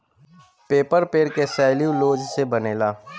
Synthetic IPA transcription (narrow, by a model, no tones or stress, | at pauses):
peːpəɾpeːɾkesɛːljuloːd͡ʒsebəneːlaː